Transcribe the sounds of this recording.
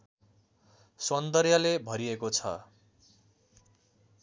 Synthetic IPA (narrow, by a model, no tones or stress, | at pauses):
sʌnd̪ʌɾjalebʱʌɾiekot͡sʰʌ̰